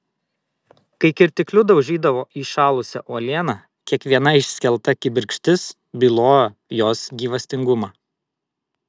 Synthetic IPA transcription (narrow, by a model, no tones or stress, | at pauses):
kɐɪkʲɪɾʲt̪ʲɪklʲʊd̪ɐʊʒʲiːd̪ɐʋoːʔiːʃɑːlˠʊsʲɛ̰ʔoːlʲeːnɑ | kʲiɛkʋʲiɛnɐɪʃsʲkʲɛlˠt̪ɐkʲɪbʲɪɾʲkʃʲt̪ʲɪs | bʲɪlˠoːjojoːsɡʲiːʋɐsʲt̪ʲɪŋɡʊmɑː